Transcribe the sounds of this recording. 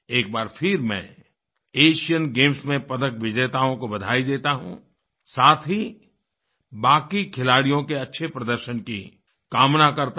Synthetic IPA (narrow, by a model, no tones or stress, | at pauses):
eːk̚baːɾpʰɪɾmɛ̰̃ː | eːʃijənɡeːmsmẽpɐd̪əkʋɪd͡ʒeːt̪aːõkobɐd̪ʱaːid̪eːt̪aɦṵ̃ | saːt̪ʰɦi | baːkikʰɪlaːɽijõkeɐtːʃʰepɾɐd̪əɾʃənki | kaːmnakɐɾt̪